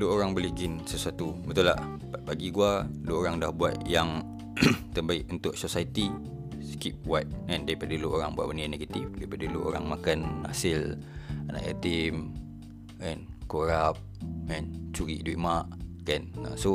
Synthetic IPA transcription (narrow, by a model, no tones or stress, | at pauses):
luoɾaŋbəliɡɪnsəsuat̪ubət̪ulah | babaɡiɡualuoɾaŋdahbuat̪̚jaŋ | t̪əbaɪʔunt̪ʊʔ̚sosait̪i | skip̚wat̪̚ɛ̃ndaipadəluʔoɾaŋbua̰ʔ̚bənianeɡat̪ifdaipadəluʔo̰ɾa̰ŋmakanːa̰sɪlana̰ʔa̰t̪im | ɛnkoɾap̚ɛnt͡ʃuɾiʔduiʔmaʔkɛna̰so